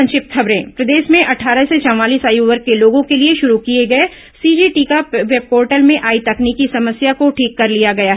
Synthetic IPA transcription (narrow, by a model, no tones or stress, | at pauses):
ɐ̃nʃɪp̚t̪xʰɐbɾẽːpɾɐd̪eːʃmẽʔɐʈʰaːɾəset͡ʃɐ̃aːliːsaːjuʋɐɾkːeloːɡõkelieʃʊɾukieɡɐe | siːd͡ʒiʈiːkaʋeb̚koːɾʈəlmẽʔaːit̪ɐkniːkisɐməsjakoʈʰiːkːɐɾlijaɡɐjaɦɛ